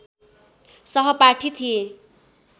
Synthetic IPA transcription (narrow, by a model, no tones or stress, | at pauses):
sʌɦʌpaʈʰit̪ʰie